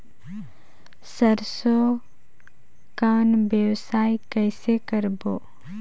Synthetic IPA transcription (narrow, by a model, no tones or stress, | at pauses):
səɾso | kaːnbjəwsaːjkɛɪsekəɾboː